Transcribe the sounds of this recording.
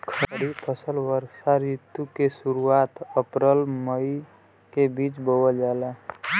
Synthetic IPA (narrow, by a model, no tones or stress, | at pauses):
kʰəəɽipʰəsəlʋəɾsaɾɪt̪ːukesuɾuaːt̪əpɾəlməi | kebiːt͡ʃbəwəd͡ʒaːla